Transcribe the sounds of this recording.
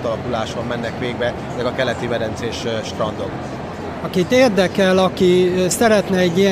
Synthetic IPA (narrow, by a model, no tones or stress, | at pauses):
t̪ɒlɒkulaːʃommɛnːɛkʋeːɡbɛ | mɛɡɒkɛlɛt̪ivɛd̪ɛnt̪seːʃʃt̪rɒnd̪o̰k | ɒkit̪eːrd̪ɛkɛlɒkisɛɾɛt̪nɛɛɟːijɛ